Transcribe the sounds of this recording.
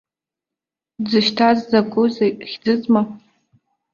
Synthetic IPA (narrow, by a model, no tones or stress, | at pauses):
d͡zɨʃtʰazd͡zaɡʷʼʊzχʲd͡zɨt͡sʼma